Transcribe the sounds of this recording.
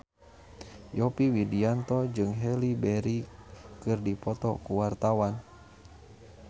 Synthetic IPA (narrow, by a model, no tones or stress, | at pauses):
jɔpiwidiant̪ɔd͡ʒɨŋɦɛlibɛɾikɨrdipɔt̪ɔkuwart̪awan